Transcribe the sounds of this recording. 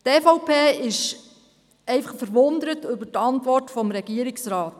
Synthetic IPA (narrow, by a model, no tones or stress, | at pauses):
tɛfɔʊpʰeːɪʃ | ɛɪfɑχfəɾʋʊndəɾətʏbətɑntʋɔrtfɔmɾɛɡ̥iəɾɪksɾɑːt